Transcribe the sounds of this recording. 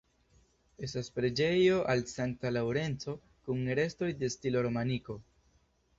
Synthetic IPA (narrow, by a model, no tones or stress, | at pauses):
e̞staspɾe̞d͡ʒe̞jo̞ʔalsaŋk̚talawɾe̞nt͡so̞ | kuŋɾe̞sto̞jde̞stilo̞ɾo̞maniko̞